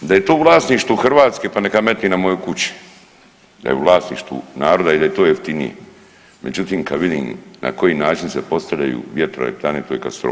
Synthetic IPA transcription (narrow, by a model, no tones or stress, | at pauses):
d̪ajet̪oːuʋlˠaːsniʃt̪uxr̩ʋaːt̪skepanekame̞t̪ninamo̞jokut͡ɕi̥ | d̪a̰jeṵʋlˠaːsnḭʃt̪ṵnaːɾo̞d̪aid̪ajet̪o̞ːjeft̪inḭjḛ | me̞̰d͡ʑut̪iːmkaʋid̪ḭnna̰ko̞jinaːt͡ʃinsepo̞st̪aʎa̰jṵʋjet̪ɾolḛp̚t̪anet̪ojekast̪ɾo̰